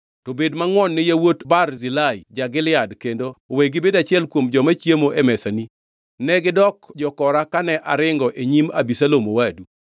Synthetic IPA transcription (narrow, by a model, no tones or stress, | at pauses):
tobedmaŋwɔnːɪjawotbarzilajd͡ʒaɡɪlɪjadkendooweɡɪbedat͡ʃɪɛlkwomd͡ʒɔmat͡ʃjemoʔemɛsani | nɛɡɪdɔkd͡ʒɔkɔɾakanɛʔa̰ɾɪŋɡɔʔeɲimabisalomowadu